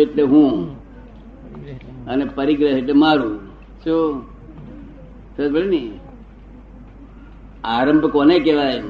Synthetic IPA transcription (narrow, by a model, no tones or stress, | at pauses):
eʈleɦũ | ənepəɾiɡɾəeʈ̬lemaɾũ | so | sətbəɭeni | aːɾəmbʱəkoːnekeʋaj